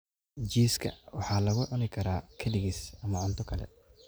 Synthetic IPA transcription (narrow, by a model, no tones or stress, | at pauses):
d͡ʒiːskʰɐ̰wɑħɑːlɐɣʊʕʊnɪkʰɐɾaːkʰɐdɪɣisɐmɐʕʊnt̪ʰɔkʰɐlɛ̰